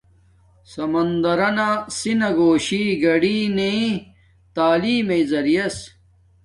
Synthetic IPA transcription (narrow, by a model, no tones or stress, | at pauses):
sɐmɐnd̪ɐɾɐnasinɐɡoːɕiːɡɐɽiːne | t̪aːliːmeizɐɾijɐs